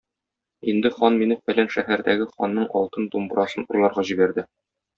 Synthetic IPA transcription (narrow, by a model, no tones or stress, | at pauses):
ind̪ɘχɒnminɘfælænʃæhæɾd̪æɡɘχɒnːɤɴɒlˠt̪ɤnt̪umbɤ̆ɾɑsɤnuɾlˠɑɾʁɑʑibæɾd̪ɘ